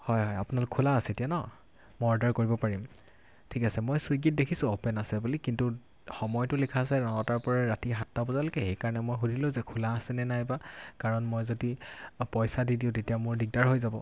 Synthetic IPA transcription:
hɔjɦɔjapʊnalʊkɛulaːsɛetijanɔ | mɔɔdaɹkoɹibɔpaɹim | tʰikasɛmojsujɡit̚dekʰisʊ̃ɔpɛnasɛbulikintu | xɔmɔjtʊlikʰasɛnɔɔtaɹpɔɹaɹatiɦatːabɔzalʊkɛxejkaɹɔnɛmojxudʱilʊ̃zɛkʰulaːsɛnɛnajbakaɹɔnmojzodipɔjsadidiʊ̃tetijamʊɹdiɡ̚daɹɦojzabɔ̰

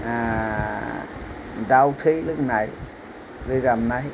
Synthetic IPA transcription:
a | dawt̪ʰilɨk̚naj | zizamnaj

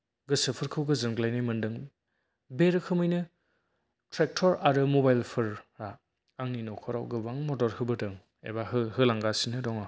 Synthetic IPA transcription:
ɡɯsɯpʰɯɾkʰɯwɡɯzɯnɡlajnajmɯndɯŋ | beɾɯkʰɯmɯjnɯ | tɾek̚tʰɔɾaɾɯmɔbajlpʰɯɾːa | aŋninɔkʰɔɾawɡɯwaŋmɔtɔɾhɯbɯtɯŋ | ḛbaɦɯɦɯlaŋɡasinɯdɔŋa

